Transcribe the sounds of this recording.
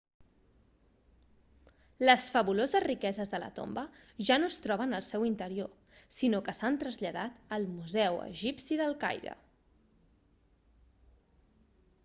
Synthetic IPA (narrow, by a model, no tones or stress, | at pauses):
ləsfəβulozəzrikɛzəzðələ̰t̪o̰mbəʒanoəst̪ɾɔβənəlˠsɛwint̪əɾio | sinokəsant̪ɾəzʎəðat̪əlˠmuzɛwə̰ʒipsiðəlˠka̰jɾə̰